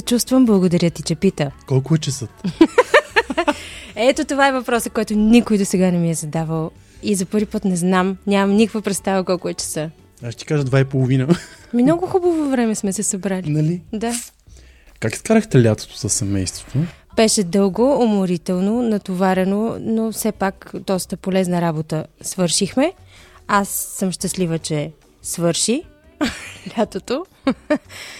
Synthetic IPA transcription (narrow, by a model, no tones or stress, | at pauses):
sɛt͡ʃust̪vəmblˠɐɡod̪ɐɾʲjət̪it͡ʃɛpit̪əkɔlˠkʊɛt͡ʃɛsət̪ | ɛt̪ot̪ovaɛvɐpɾɔsəkɔjt̪onikojd̪osɛɡanɛmiɛzɐd̪avəlˠ | izɐpɤɾvipɤt̪nɛznamnʲamɐmnʲikəkvəpɾɛt̪st̪avəkɔlˠkʊɛt͡ʃɛ̥sɤ | aʃt̪ɛ̥kaʒəd̪vaipolˠovinəmnɔɡoxubəvovɾɛmɛsmɛsɛsɐbɾalinɐlid̪a | kaki̥skaɾəxt̪ɛlʲat̪o̥t̪o̥zɐsɐmɛjst̪vo̥t̪obɛʃɛd̪ɤlˠɡoːmoɾit̪ɛlˠnonɐt̪ovaɾɛnonofsɛpakd̪ɔst̪əpolɛznəɾabot̪əsvɤɾʃixmɛasːəmʃt̪əslivət͡ʃɛ | svɤɾʃi | lʲat̪ot̪o